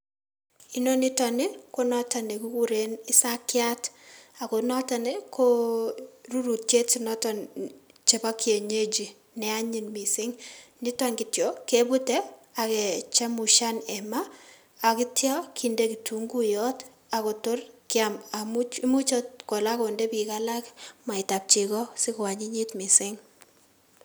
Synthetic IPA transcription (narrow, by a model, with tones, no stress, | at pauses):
ino˦nɪ˦tɔ˨nɪ˦ko˦nɔ˦ta˨ne˨ku˦ku˦ɾe˦nɪ˦sa˦kja˦ta˨ko˨nɔ˦tanekʰo | ɾu˦ɾu˨tje˦tsinɔ˦tɔnt͡ʃe˨ba˦kje˨ɲe˦d͡ʒi˨ | nɛ˦a˦ɲi˨nmi˨sɪ˦ŋnɪ˦tɔ˦ŋɡɪ˨tjɔke˦bu˦tɛ˦a˨kɛ˨t͡ʃa˦muʃa˦nɛ˨maː˦˨ | kɪ˦tja˦kʰindeki˨tuŋɡu˦jɔt | a˨ko˨to˦rkɪa˨ma˨mu˦mu˦t͡ʃo˦tko˨la˦ko˨nde˦bi˨kala˦kma˨ita˨p̚t͡ʃi˨kɔsɪ˦kwa˨ɲi˦ɲi˦tmɪ˨sɪ˦ŋ